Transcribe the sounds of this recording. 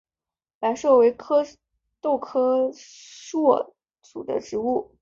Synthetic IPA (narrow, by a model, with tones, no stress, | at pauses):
pa˧˥ɪʂwɔ˥˩we˧˥ɪkʰɤ˥ | t̪o˥˩ʊkʰɤ˥ | ʂwɔ˥˩ | t͡sṵ˨˩d̪ə̰˦ʈ͡ʂɻ̩˧˥u˥˩